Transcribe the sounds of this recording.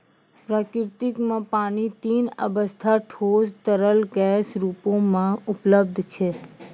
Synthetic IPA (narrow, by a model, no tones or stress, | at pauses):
pɾakɪɾt̪ikmãpaɽ̃it̪inə̰bəst̪ʰaʈʰost̪əɾəlɡɛsɾupomãʊpləb̚d̪ʱt͡ʃʰe